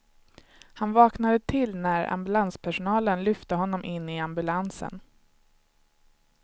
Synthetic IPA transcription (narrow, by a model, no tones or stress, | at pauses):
hanvɑːknad̪ət̪ʰɪlːnæɾa̰mbɵlanspʰæʂʊnɑːlənlʏft̪əɦɔnːɔmʔɪnːɪambɵlansə̰n